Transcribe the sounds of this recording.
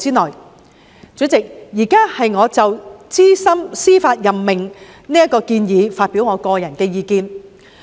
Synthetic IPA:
siː˥nlɔː˨˩j | t͡syː˨˥t͡sɪ˨k̚jiː˨˩kaː˥hɐ˨jŋɔː˨˧t͡sɐ˨wt͡siː˥sɐ˥msiː˥faː˧t̚jɐ˨mːɪ˨˩ŋ | niː˥ɐ˥t̚kɔː˧kiː˧njiː˨˧faː˧t̚piː˨˥wŋɔː˨˧kɔː˧jɐ˨˩nkɛː˧jiː˨˧kiː˧n

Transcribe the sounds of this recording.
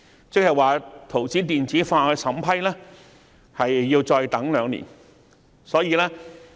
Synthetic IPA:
t͡sɪ˥k̚hɐ˨˩waː˨˩t̪ʰo˨˩wt͡siː˨˥t̪iː˨nt͡siː˨˥faː˧kɛː˧sɐ˨˥mpʰɐ˥jlɛː˥ | hɐ˨jːiː˧wt͡sɔː˧jt̪ɐ˨˥ŋlœː˨˧ŋnḭː˨˩n | sɔː˨˥jiː˧lɛː˥

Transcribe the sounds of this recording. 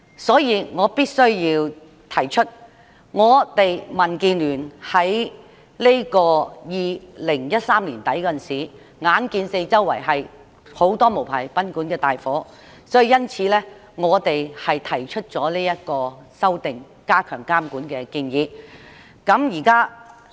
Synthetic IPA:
sɔː˨˥jiː˨˧ŋɔː˨˧piː˥t̚sɵ˥ɥjiː˧w | t̪ʰɐ˨˩jt͡ʃʰɵ˥t̚ | ŋɔː˨˧t̪e˨jmɐ˨˩nkiː˧nlyː˨˩nhɐ˨˥j | le˥kɔː˧jiː˨lɪ˨˩ŋjɐ˥t̚saː˥mliː˨˩nt̪ɐ˨˥jkɔ˧˨nsiː˨˩ | ŋaː˨˥nkiː˧nse˧jt͡sɐ˥wːɐ̰˨˩jɦɐ˨j | ho˨˥wt̪ɔː˥mo˨˩wpʰaː˨˩jpɐ˨˥nkuː˨˥nkɛː˧t̪aː˨jfɔː˨˥ | sɔː˨˥ji˨˧jɐ˥nt͡sʰiː˨˥lɛː˥ | ŋɔː˨˧t̪e˨jhɐ˨jt̪ʰɐ˨˩jt͡ʃʰɵ˥t̚t͡sɔː˨˥liː˥jɐ˥t̚kɔː˧sɐ˥wt̪ɪ˨ŋ | kaː˥kʰœː˨˩ŋkaː˥mkuː˨˥nkɛː˧kɪ˧ŋjiː˨˧ | kɐ˨˥mjiː˨˩kaː˥

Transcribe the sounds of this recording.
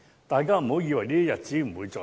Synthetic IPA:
t̪aː˨jkaː˥m̩˨˩ho˨˥wjiː˧wɐ˨˩jniː˥jɐ˥jɐ˨˩t̚t͡siː˨˥m̩˨˩wuː˨˧jt͡sɔː˨

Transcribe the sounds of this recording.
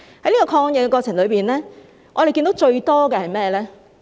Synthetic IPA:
hɐ˨˥jliː˥kɔː˧kʰɔː˧ŋjɛ˨˧kɛ˧kɔː˧t͡sʰɪ˨˩ŋlɵ˨˧ɥpiː˨nlɛː˥ | ʔɔː˨˧t̪e˨kiː˧nd̪o˨˥wt͡ʃɵ˧ɥt̪ɔː˥kɛ˧hɐ˨jmɛː˥˩lɛː˥

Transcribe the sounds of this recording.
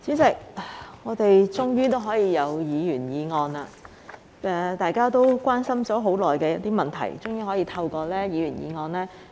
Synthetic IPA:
t͡syː˨˥t͡sɪ˨k̚a˨˩ŋɔː˨˧t̪e˨jt͡sʊ˥ŋjyː˥t̪o˥wɦɔː˨˥jiː˨˧jɐ˨˧wjiː˨˧jyː˨˩njiː˨˧ŋɔː˧na˧ | ɛ˧t̪aː˨jkaː˥t̪o˥wkʷwaː˥nsɐ˥mt͡sɔː˨˥ɦo˨˥wlɔː˨jkɛː˧jɐ˦˥t̚t̪iː˥mɐ˨nt̪ʰɐ̰˨˩jt͡sʊ˥ŋjyː˥ɦɔː˨˥jiː˨˧t̪ʰɐ˧wkɔː˧lɛː˥jiː˨˧jyː˨˩njḭː˨˧ŋɔː˧nlɛː˥

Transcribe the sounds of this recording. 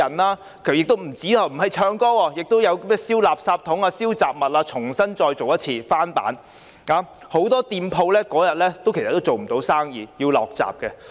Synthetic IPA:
ɐ˨˩naː˧ | kʰjɪ˨k̚t̪o˥wm̩˨˩t͡siː˨˥t̪ʰɐ˨˩wm̩˨˩ɦɐ˨jt͡ʃʰœː˧ŋkɔː˥wɔː˧jɪ˨k̚t̪o˥wjɐ˨˧wmɛː˥siː˥wlaː˨p̚saː˧p̚t̪ʰʊ˨˥ŋaː˧siː˥wt͡saː˨p̚mɐ˨t̚laː˧t͡ʃʰʊ˨˩ŋsɐ˥nt͡ʃɔː˧jt͡so˨wjɐ˥t̚t͡sʰiː˧faː˥npa̰ː˨˥n | aː˨˥ | ho˨˥wt̪ɔː˥t̪iː˧mpʰo˧wlɛː˥kɔː˨˥jɐ˨t̚lɛː˥t̪o˥wkʰe˨˩sɐ˨˩t̪ːwt͡so˨wm̩˨˩t̪o˨˥wsaː˥ŋjiː˨jiː˧wlɔ̰ː˨k̚t͡sa̰ː˨p̚kɛ˧

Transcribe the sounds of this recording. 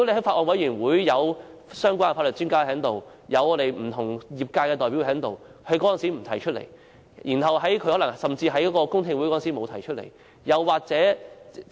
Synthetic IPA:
o˥ne˧˩ɦɐ˨˥jfaː˧t̚ʔɔː˧nwɐ˨˥jyː˨˩nwuː˨˥jːɐ˨˧wsœː˥ŋkʷwaː˥nfa˧t̚lə˨˩t͡syː˥ŋkaː˥ɦɛ˨˥ŋt̪o˨w | jɐ˨˧wɔː˨˧t̪e˨jm̩˨˩t̪ʰʊ˨˩ŋjiː˨p̚kaː˧kɛː˧t̪ɔː˨jpi˨˥wɛː˨˧˥ŋt̪o˨wkʰɐ˨˧jkɔ˨˥jɐ˨nsiː˨˥m̩˨˩t̪ʰɐ˨˩jt͡ʃʰɵ˥t̚lḛ˨˩j | jiː˨˩nɦɐ˨wɦɐ˨˥jkʰɵ˧hɔ˨˥lɐ˨˩ŋsɐ˨mt͡siː˧ɦɐ˨˥jkɔː˨˥kɔː˧kʊ˥ŋt̪ʰɪ˧ŋwu˨˥jkɔ˨˥˨nsi˨˥mo˨˧wt̪ʰɐ˨˩jt͡ʃʰɵ˥t̚lḛ˨˩j | jɐ˨wːaː˨k̚t͡sɛː˨˥

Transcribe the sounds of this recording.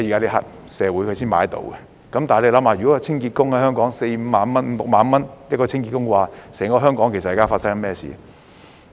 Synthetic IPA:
jiː˨kaː˥le˧ɦɐ̰˨˥t̚ | sɛː˨˧wuː˨˥jkʰsiː˥nma̰ː˨˥jt̪o̰˨˧wkɛ˧ | kɐ˨˦mt̪aː˨n˨le˧jlɐ˨˥mhaː˧˩jy˨kɔ˨˥jɐ˨˧t͡sʰɪ˥ŋkiː˧t̚kʊ˥ŋhɐ˨˥jɦœː˥ŋkɔː˨˥ŋse˧jm̩˨˧maː˨˧nmɐ˥nm̩ː˨˦lʊ˨k̚maː˨˥nmɐ˥njɐ˥t̚kɔː˧t͡sʰɪ˥ŋkiː˧t̚kʊ˥ŋkə˧waː˨˩sɛː˨˩ŋkɔː˧˥ɦœː˥ŋkɔː˨˥ŋke˨˩sɐ˨kaː˥˩faː˧tsɐ˥kɐ˨˥mɛː˥˩sḭː˨

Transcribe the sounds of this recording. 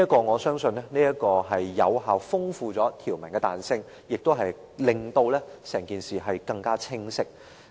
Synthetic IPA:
ni˥kɔː˧ŋɔː˨˧sœː˥ŋsɵ˧nːɛː˥niː˥jɐ˥t̚kɔː˧ɦɐ˨jːɐ̰˨˧wɦaː˨wfʊ˥ŋfuː˧t͡sɔː˨˥t̪ʰiː˨˩wmɐ˨˩nkɛː˧t̪aː˨nsɪ˥ŋ | jɪ˨k̚t̪o˥wɦɐ˨j | lɪ˨ŋt̪o˧wlɛː˥sɛː˨˩ŋkiː˨nsiː˨ɦɐ˨jkɐ˧ŋkaː˥t͡sʰɪ˥ŋsɪ˥k̚

